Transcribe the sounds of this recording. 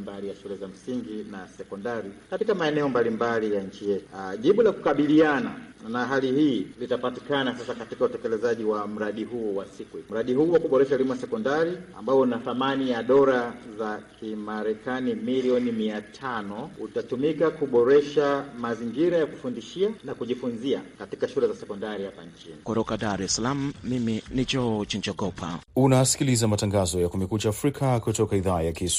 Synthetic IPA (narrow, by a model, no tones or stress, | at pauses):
mbalijaʃulɛzam̩siŋɡinasɛkɔndaɾikatikamaɛnɛɔmbalimbalijaɲ̩t͡ʃijɛtu̥ʄiɓulakukaɓiliana̰naɦalihiːlitapati̥kanasasakatikautɛkɛlɛzaʄiwam̩ɾaɗihuːwasikum̩ɾaɗihuːwakuɓɔɾɛʃaulimuasɛkɔndaɾia̰mbaɔnaθamanijaɗɔɾazakʰimaɾɛkanimiliɔnimiatʰanɔutatumikakuɓɔɾɛʃamaziŋɡiɾajaku̥fundiʃianakuʄifunziakati̥kaʃulɛzasɛkɔndaɾihapaɲ̩t͡ʃinikɔtɔkaɗaɾɛsalam̩ːiminid͡ʒɔt͡ʃind͡ʒɔɡɔpʰa̰unasi̥kilizamataŋɡazɔjakumɛkut͡ʃaːfɾikʰakutɔkaiðaːjakis